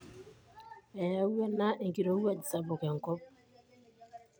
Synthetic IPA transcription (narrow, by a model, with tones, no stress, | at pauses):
ɛ˨ja˦wɛ˦na˦ʔe˨ŋki˨ɾo˨˦wa˦d͡ʒi˨sa˨bo˨kɛ˨ŋ˨kɔ˦p̚